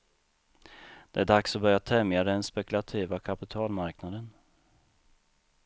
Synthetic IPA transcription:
d̪̥ɛæɖaksɔbœɾjat̪ʰɛmjad̪ɛɛnspɛkɵlat̪ʰiːvakʰapɪt̪ʰɑːlmaɾknad̪ən

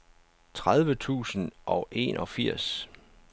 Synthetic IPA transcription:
t͡sʰʁað̞ˠʋət͡sʰṵːsn̩ʔɒ̽ʔe̝̰nʔɒ̽fiɐ̰s

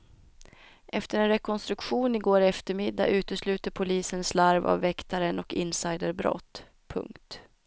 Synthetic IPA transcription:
ʔɛft̪əɾɛnɾɛkʰɔnst̪ɾɵkɧuːnɪɡoːɾɛft̪əɾmɪd̪ːa̰ʔʉ̟ːt̪əslʉ̟ːt̪əɾpʰʊliːsənslaɾva̰vːɛkt̪aɾənɔkɪ̰nsajd̪əɾbɾɔ̰t̪ː | pʰɵ̰ŋkt̪

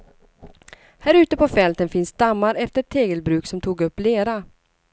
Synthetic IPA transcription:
hæɾʉ̟ːt̪əpʰɔfɛlt̪ənfɪnsd̪amːaɾɛft̪ət̪ʰːeːɡəlbɾʉ̟ːksɔmt̪ʰuːɡɵpːleːɾa

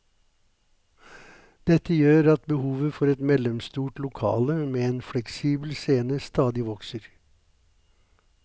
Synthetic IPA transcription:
d̪̥ɛt̪əjøːɾɑt̪bəhuːʋəfɔɾɛt̪mɛləmst̪uːʈlʊkʰɑ̰ːləmeːeːnflɛksiːbl̩seːnəst̪ɑːd̪ɪʋɔksəɾ

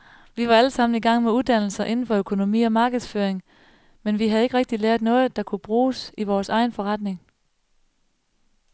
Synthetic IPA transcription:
ʋiʋɑ̈æləsɑ̈m̰n̩iɡ̥ɑ̈ŋ̰meuðˠd̥æn̰l̩sɐʔe̝nn̩fɒ̽økʰo̝no̝mḭːɒ̽mɑ̈ːɡ̥əð̞̩ˠsføɐeŋ | menʋiɦæðˠe̝ɡ̥ʁɛɡ̥̚d̥ileɐd̥ˠnɔ̽ːð̞̩ˠd̥ɑ̈kʰub̥ʁuːsiʋɒːsɑ̈ɪnfɒ̽ʁɑd̥ne̝ŋ

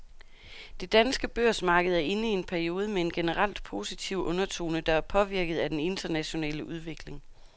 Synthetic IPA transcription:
d̥e̝d̥ænsɡ̥əb̥øɐ̰smɑ̈ːɡ̥əð̞̩ˠæɐʔe̝nəie̝npʰæɐio̝ːð̞ˠəmee̝nɡ̥e̝nəʁɑl̰d̥pʰo̝ːsit͡sʰiʊ̰ʔɔ̽nɐt͡sʰo̝̰ːnəd̥ɑ̈æɐpʰɒ̽ʋiɐɡ̥ð̞̩ˠæd̥ene̝nd̥ɐnæɕo̝nɛ̰ːləʔuð̞ˠʋe̝ɡ̥le̝ŋ

